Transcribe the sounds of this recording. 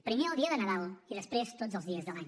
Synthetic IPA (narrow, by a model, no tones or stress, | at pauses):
pɾimeɾəlˠd̪iəðənəðalˠiðəspɾest̪otzəlˠzðiəzðəlaɲ